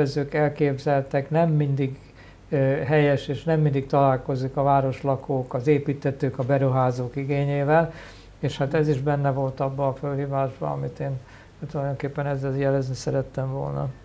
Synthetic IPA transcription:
ɛzøːkɛlkeːbzɛlt̪ɛknɛmːind̪iɡ | ɦɛjɛʃeːʃnɛmːind̪ik̚t̪ɒlaːlko̞zikɒvaːɾo̞ʃlɒkoːkɒzeːpiːt̪ːɛt̪øːkɒbɛɾuɦaːzoːkiɡeːɲeːvɛl | eːʃhaːt̪ɛziʒbɛnːɛvo̞lt̪ɒbːɒːfølɦiːvaːʒbɒ̰ɒ̰mit̪eːn | t̪ulɒjd̪o̞ŋkeːpːɛnɛzːɛljɛlɛznisɛɾɛt̪ːɛɱvo̰lnɒ̰

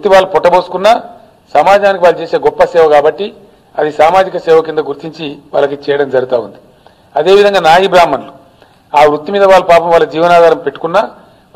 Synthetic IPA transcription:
t̪ːiʋaːɭːupɔʈːɐbo̞ːsu̥kunːaː | sɐmaːd͡ʒaːnikiʋaːɭut͡ʃeːse̞ːɡɔpːɐsɛːʋɐkaːbɐʈːi | ɐd̪isaːmaːd͡ʒikɐsɛːʋɐk̬ind̪ɐɡuɾt̪iɲt͡ʃiʋa̰ːlːɐkit͡ʃɛːjɐɽɐmd͡ʒɐɾut̪aːund̪i | ɐd̪e̞ːʋid̪ʱɐŋɡaːnaːjibɾaːmːɐnlu | aːʋɾut̪ːimiːd̪ɐʋaːɭːupaːpɐmʋaːɭːɐd͡ʒiːʋɐnaːd̪ʱaːɾɐmpe̞ʈːu̥kunːaː

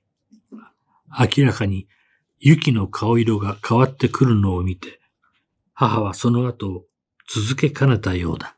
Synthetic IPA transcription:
akʲiɾakaɲ̟i | jɯkʲino̞kʰao̞iɾo̞ɡakʰaβat̪ːe̞kʰɯ̟ɾɯ̟no̞ːmʲit̪e̞̥ | haɦaβ̞aso̞no̞at̪o̞ː | t͡sɨzɨke̞kʰane̞t̪ajo̞̰ːd̪a

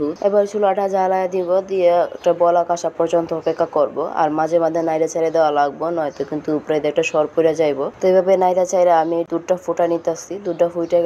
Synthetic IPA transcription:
uḛbaɾt͡ʃʰuloaʈʰad͡ʒʱalajad̪ibɔd̪ieɛ̰k̚ʈabɔlakaʃapɔɾt͡ʃɔnt̪ɔkekːakɔɾboa̰ɾmad͡ʑʱemad̪ʱːenajd̪at͡ɕajɾed̪ɛoalaɡ̚bonɔjt̪ɔkint̪upɾajd̪ɛk̚ʈaʃɔɾpoɾiad͡ʑajbot̪ejbʱabenajd̪at͡ɕajɾaamid̪uɖʈafuʈanit̪asid̪uɖːafujʈa

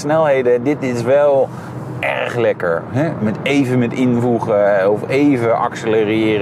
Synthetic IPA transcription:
snɛlˠɦejdədɪtɪsʋɛlˠ | ɛ̰ɹχlɛkə̰ɹɦɛmɛtejvəmɛtɪnvuχəɔfejvəʔɑ̰ksələrɪːr

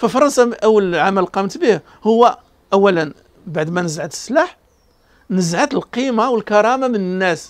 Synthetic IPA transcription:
fəfɑɾˤɑnsaʔæwːəlʕamælqɑmt̪bih | hʊwːæ | ʔæwːælən | baʕd̪mænəzʕad̪ə̥sːlaħ | nəzʕad̪əlqimawəlkɑɾˤɑmamənənːæs

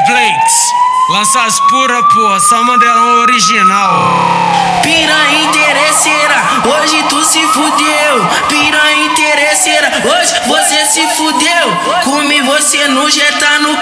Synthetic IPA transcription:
blejt̪ | lɐ̃saspuɾɐpoɐsɐmɐ̃d̪ɛlɐoɾiʒinaw | piɾɐ̃ĩt̪eɾeseɾɐ | oʒɪt̪usɪfud̪ew | piɾɐ̃ĩt̪eɾeseɾɐ | oʒvosesɪfud̪ew | kõmivosenuʒet̪anʊ

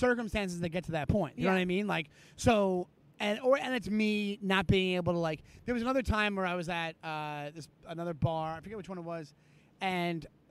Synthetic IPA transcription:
sɜ˞kɨ̃m̩stæ̃ns̬ɨzðɨɡɛtʰɨðɨt̚pʰɔ̃ɪ̃n̚jɨnõʌɾaɪmĩnlaɪk | soʊ | ɨ̃nə˞ɨ̃nɨtsminət̚b̥iɪ̃ŋeɪbl̩ˠtʰəlaɪkðə˞wʌzɨnʌðə˞tʰãɪ̃mwə˞aɪwʌzɨt̚ʌðɪsənʌðə˞bɑɹaɪfə˞ɡɛt̚wɨt͡ʃwʌ̃ñət̚wʌz | ɨ̃n

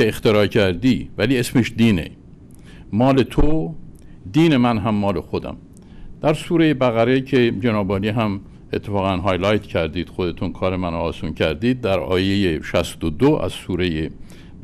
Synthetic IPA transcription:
eext̪eɾɒːcʰæɾd̪iːvæliːe̞smeʃd̪iːne̞̰ | mɒːle̞t̪ʰo | d̪iːne̞mænɦæmːɒːle̞xod̪æ̰m | d̪̥æɾsuːɾe̞jebæɣæɾecʰe̞d͡ʒenɒːbɒːniːɦæm | e̞t̪ʰːefɒːɣænɦɒːjlɒjt̪ʰcʰæɾd̪iːd̪̥xod̪e̞t̪ʰunkʰɒːɾe̞mænoɒːsuːncʰæɾd̪iːd̪̚ːæɾɒ̰ːjejeʃæst̪od̪oæ̰z̥suːɾeje

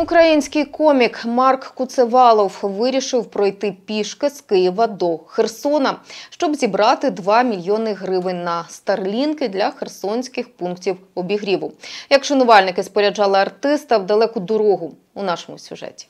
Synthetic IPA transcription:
ukɾɐjinʲsʲkɪjkɔmʲikmɑrkːʊt̪seʋɑlˠɔwʋɪɾʲiʃɪwpɾɔjt̪ɪpʲiʃkɪskɪjiʋɐd̪ɔxersɔnɐʃt͡ʃɔbzʲibɾɑt̪ɪd̪ʋɑmʲilʲjɔnɪɦɾɪʋɪnʲnɐst̪ɐrlʲinkɪd̪lʲɐxersɔnʲsʲkɪxpunktʲiwɔbʲiɦɾʲiʋʊjɐkʃɔnʊʋɑlʲnɪkɪspɔɾʲɐd͡ʒɑlˠɪɐrt̪ɪst̪ɐwd̪ɐlˠɛkʊd̪ɔɾɔɦʊ | unɑʃɔmʊ̰sʲʊ̰ʒɛ̰tʲi̥

